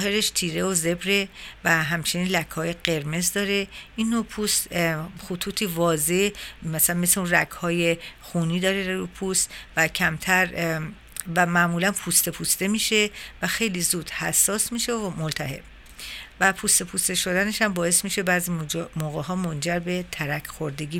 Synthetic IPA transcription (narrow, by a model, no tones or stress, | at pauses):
zɦe̞ɾeʃt̪ʰiːɾe̞oze̞bɾe̞væɦæmt͡ʃʰeniːnlækʰhɒːje̞ɢe̞ɾme̞zd̪ɒːɾe̞ʔinːopʰuːst̪xut̪ʰuːt̪ʰivɒːze̞mæsælænmesleunrækʰhɒːje̞xuːniːd̪ɒːɾeɾɾupʰuːst̪væcʰæmt̪ʰæɾ | væmæʔmuːlænpʰuːst̪e̞pʰuːst̪e̞miːʃe̞væxe̞jliːzuːd̪̥hæsːɒːsmiːʃemolt̪ʰæɦe̞̰b̥ | væpʰust̪e̞pʰust̪eʃo̞d̪æne̞ʃæmbɒːe̞st̪miːʃebæːzimoːɣeɦɒːmond͡ʒæɾbe̞t̪ʰæɾækʰxoɾd̪e̞ɡiː